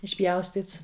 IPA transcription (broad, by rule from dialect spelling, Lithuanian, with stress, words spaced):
ɪʃʲˈpʲjɛʊsʲtʲiːts